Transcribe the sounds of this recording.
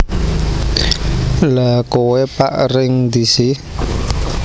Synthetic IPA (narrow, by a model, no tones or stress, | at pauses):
lakowepa̰ʔɾɪŋd̪isi